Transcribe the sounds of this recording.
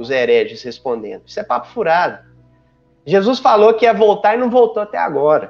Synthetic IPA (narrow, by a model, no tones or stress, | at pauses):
ʊzɛɾɛʒɪshespõnd̪ḛ̃nd̪ʊi̥sʊɛpapʊ̥fuɾad̪ʊ | ʒezusfalokɪɛvowt̪aɾɪnɐ̃w̃vowt̪oat̪ɛa̰ɡɔɾɐ